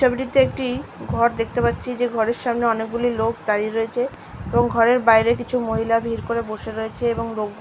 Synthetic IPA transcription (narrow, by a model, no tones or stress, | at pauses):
obʈit̪eek̚ʈiɡʱɔɾd̪ekʰt̪epatːɕʰid͡ʑeɡʱɔɾeɾʃamneɔnek̚ɡulilokd̪aɾiɾoet͡ɕʰe | eboŋɡʱɔɾeɾbajɾek̬it͡ɕʰumoɦilabʱiɾkoɾeboʃeɾɔet͡ɕʰeeboŋlok